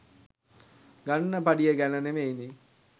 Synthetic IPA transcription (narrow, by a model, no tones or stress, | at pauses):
ɡanːəpaɖijəɡænənemejni